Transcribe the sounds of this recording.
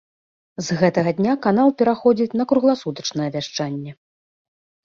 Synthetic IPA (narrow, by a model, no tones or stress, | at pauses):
zɣɛt̪ɐɣɐd̪ʲnʲakan̪alˠpʲɛɾaxɔd͡zʲit͡sʲnɐkɾuɣlˠasut̪ɐt͡ʂnɐjɛvʲaʂt͡ʂanʲːɛ